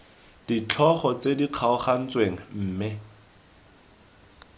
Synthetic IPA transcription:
d̥it͡ɬʰɔχɔt͡sediq͡χʰaʊχan̩t͡sweŋ̩m̩ːmɪ

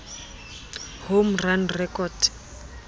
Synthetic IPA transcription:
homranrɛkʼɔd̥

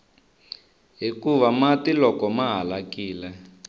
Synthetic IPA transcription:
ɦikuβamatilɔkɔmaɦalakiːlɛ

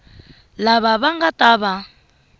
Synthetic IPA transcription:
laβaβaŋɡatʼaβa

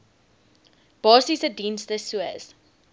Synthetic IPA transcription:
b̥ɑːsisədĩːnsðəsuə̰z̥

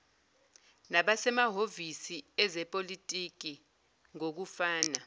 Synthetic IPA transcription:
naɓasɛmaɦovisiɛzɛpʼolitʼik̬i | ŋok̬ufaːna

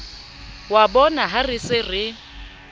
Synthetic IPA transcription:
wabɔnaɦarɪsɪrɪ

